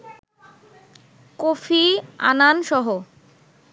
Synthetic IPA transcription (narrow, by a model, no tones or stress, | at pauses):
kofia̰nanʃɔɦo